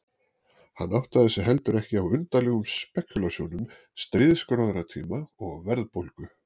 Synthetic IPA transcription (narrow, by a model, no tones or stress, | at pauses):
ha̰nːawht̪aðɪsɛɦɛl̪t̪ʏɾɛhcɪawʏnt̪aɾlɛɣʏmspɛcːʏlasjuːnʏm | st̪ɾɪːðskœɾaðaɾat̪ʰḭːmaɔɣa̰wvɛɾðpowlkʏ